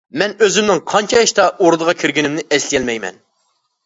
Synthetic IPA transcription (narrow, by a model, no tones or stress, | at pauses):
mɛnøzɪmnɪŋqʰɑnt͡ʃʰɑiʃt̪ɑʔoɾd̪əʁɑkʲʰiɾɡʲinɪmnɪʔɛslijɛlmɛjmɛ̰n